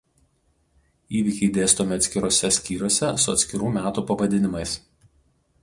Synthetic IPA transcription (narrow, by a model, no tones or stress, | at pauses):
iːʋʲɪkʲɛɪd̪ʲeːst̪oːmʲɪɐt̪sʲkʲɪɾoːsʲɛsʲkʲiːɾʲoːsʲɛsʊɐ̰t̪ʲsʲkʲɪɾuːmʲæːt̪uːpɐʋɐd̪ʲɪnʲɪmɐɪs